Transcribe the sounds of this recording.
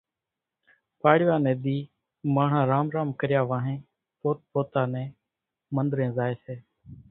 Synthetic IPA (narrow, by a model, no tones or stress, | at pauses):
paːɽɪʋaːnẽːɗ̪iː | maːɳ̤ãːɾaːmɾaːmkəɾɪjaːʋaːɦẽː | poːt̪̚poːt̪aːnɛ̃ː | mənd̪ɾẽːzaːeːseː